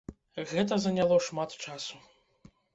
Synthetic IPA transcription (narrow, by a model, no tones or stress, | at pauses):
ɣɛt̪̬ɐzɐnʲalˠɔʂmat̪t͡ʂasu̥